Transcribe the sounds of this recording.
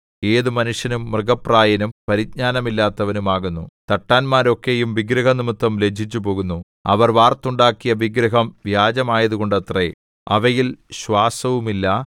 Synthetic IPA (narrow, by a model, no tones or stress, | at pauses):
e̞ːðumɐnuʂjɐnumːrɨɣɐpraːjɐnumpɐɾiɡ̚ɲaːnɐmilːaːt̪ːɐʋɐnumaːɣunːut̪ɐʈːaːnmaːɾo̞kːe̞jumʋiɡɾɐɦɐnimut̪ːɐmled͡ʑʱit͡ɕːupo̞ːɣunːu | ɐ̰ʋɐrʋaːrt̪ːuɳɖaːkːijɐʋiɡɾɐɦɐmʋjaːd͡ʑɐmaːjɐðuɣo̞ɳɖɐt̪re | ɐʋɐjilɕʋaːsɐʋumilːɐ